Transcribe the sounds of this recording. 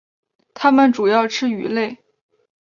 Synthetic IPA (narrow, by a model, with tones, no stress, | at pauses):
t̪ʰa˥mə˨nʈ͡ʂu˨˩jɑ˥˧ʊʈ͡ʂʰɻ̩˥y̰˨˩le˥˩ɪ